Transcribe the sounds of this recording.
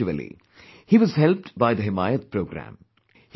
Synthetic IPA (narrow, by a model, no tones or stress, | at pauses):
uəlḭ | hiːʋɔz̥hɛlp̚ʈbaɪd̪əɦɪma̰ːjət̪̚pɾoːɡɾæ̰̃m | h